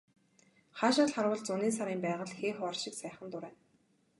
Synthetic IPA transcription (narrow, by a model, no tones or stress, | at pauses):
χaːʃaːɮχaɾwʊ̆ɮt͡sʊniːs̬aɾiːmpæːʁə̆ɮxeːχɔrʃɪ̆ksæːχə̆nt̪ʊɾæːn